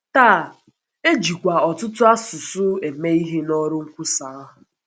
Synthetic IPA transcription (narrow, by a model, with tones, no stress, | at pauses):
taː˦˨ | e˦d͡ʒi˨kʷa˨ɔ˨tʊ˦tʊ˦a˦sʊ˨sʊ˦e˨me˦i˦ɦe˦nɔ˦ɾʊ˦ŋ̩˦kʷu˦sa˨a˦ɦʊ˨